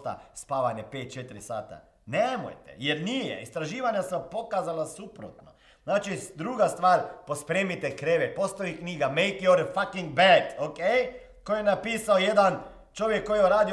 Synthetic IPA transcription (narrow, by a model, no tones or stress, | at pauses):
t̪a̰spaːʋanjɛpeːt̪̚t͡ʃet̪ɾisaːt̪a̰ | nɛmo̰jt̪ɛ̰jɛɾniːjɛ̰ist̪ɾaʒiːʋanjasapokaːzalasuːpɾo̰t̪nɔ | znaːt͡ʃid̪ɾuːɡast̪ʋaːɾpospɾeːmit̪ɛkɾeːʋɛpost̪oikniːɡamejkjɔɾfakiŋɡ̚bɛd̪okej | kojɛnapiːsaojɛd̪an | t͡ʃoːʋjɛkːojiuɾaːd̪i